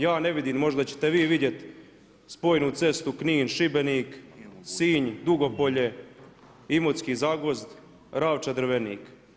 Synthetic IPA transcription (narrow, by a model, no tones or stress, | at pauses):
jaːne̞ʋid̪iːmmo̞ʒd̪at͡ɕe̥t̪eʋiːʋid̪je̞t̪ | spo̞ːjnut̪se̞st̪ukniːnʃibe̞niːksiːɲd̪uɡo̞poʎe | imot̪skizaɡozd̪ | ɾaːʋt͡ʃad̪r̩ʋenḭːk